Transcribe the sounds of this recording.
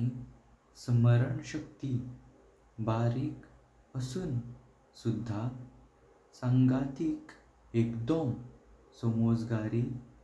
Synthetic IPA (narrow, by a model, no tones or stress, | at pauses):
ãi | sməɾəɳɕəkt̪i | baɾiːk | əsuːn | sud̪ʱːa | sãŋɡat̪iːk | ekd̪omsɔmod͡zɡaɾiː